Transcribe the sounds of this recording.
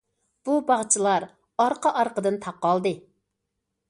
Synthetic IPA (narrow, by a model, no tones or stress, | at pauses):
b̥ubɑʁt͡ʃʰilˠɑɾ | ɑɾqəʔɑɾqəd̪ɨnt̪ʰɑp̚ːɑlˠd̪ɨ